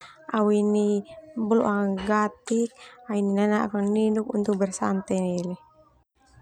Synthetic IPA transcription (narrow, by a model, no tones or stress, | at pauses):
awinibɔlɔ̰ʔaŋaɡat̪ik̚aininanaʔkaŋninuk̚unt̪uk̚bɛrsant̪ɛnili